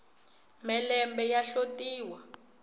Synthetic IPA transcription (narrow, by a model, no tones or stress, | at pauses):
mɛlɛmbɛjaɬotiːwa